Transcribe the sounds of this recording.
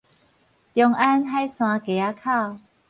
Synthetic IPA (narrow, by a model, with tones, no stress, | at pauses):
t̪jɔ˧ŋʔa˦nɦa˦jsw̃ã˧ke˨˩a˦kʰa˥˧˨w